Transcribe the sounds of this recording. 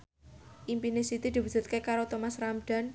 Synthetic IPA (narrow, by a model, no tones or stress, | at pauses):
ʔimpinesit̪id̪̥ibud͡ʒ̥ṳt̪̚kekaɾot̪omasramɖ̥a̤n